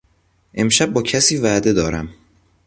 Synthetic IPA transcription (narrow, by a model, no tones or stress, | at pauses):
ʔe̞mʃæb̚ːɒːcʰæsiːvæːd̪e̞d̪ɒːɾæ̰m